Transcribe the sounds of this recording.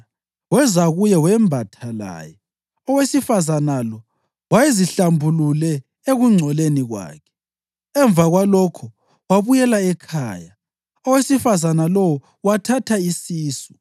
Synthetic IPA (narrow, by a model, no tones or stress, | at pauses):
wɛzaɣujɛwɛmbʱatʰala̰ːjɛ | ɔwesifazanalɔ | wajeziɬambʱululɛ | eɣuŋ͡ǀʱɔleniɣwa̰ːkʰɛ̥ | ɛɱb̪vaɣwalɔkʰɔ | waβujɛlaɛkʰa̰ːja | ɔwesifazanalɔwɔ | watʰatʰaisiːsu̥